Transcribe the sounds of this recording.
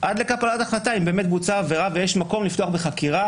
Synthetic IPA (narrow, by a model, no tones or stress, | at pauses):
ʔad̪le̞kapalat̪aχlataimbe̞ːmet̪̚but͡saːve̞ʁavejeʃmako̞mlift̪oaχbe̞χakiʁa